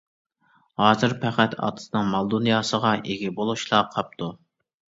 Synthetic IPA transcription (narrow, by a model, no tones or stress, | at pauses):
hɑːzɨɾpʰæqæt̪ʰɑ̰t̪ʰɨ̥sɨnɨŋmɑlˠd̪unjɑːsəʁɑʔeɡʲɛbolˠuʃlˠɑqʰɑp̚t̪ʰu